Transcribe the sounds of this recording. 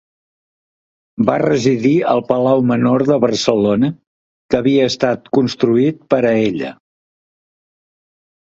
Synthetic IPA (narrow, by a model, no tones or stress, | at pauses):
barəziðiəlˠpəlawmənoɾðəβəɾsəlonə | kəβiəːst̪at̪kunst̪ɾuit̪̚pəɾəeʎə̰